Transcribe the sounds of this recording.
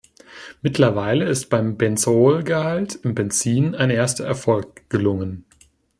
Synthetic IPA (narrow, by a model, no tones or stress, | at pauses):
mɪtlɐvaɪləɪstb̥aɪmbɛnt͡soːlɡəhaltʰɪmbɛnt͡siːnaɪnʔeːɐstɐɛɐfɔlk̚ɡ̥əlʊŋən